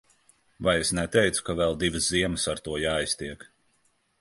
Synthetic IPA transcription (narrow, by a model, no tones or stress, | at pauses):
vajesnɛt̪ɛjt̪su̥kavɛlˠd̪ivɨsziɛmɨsaɾt̪uɔjaːjst̪iɛk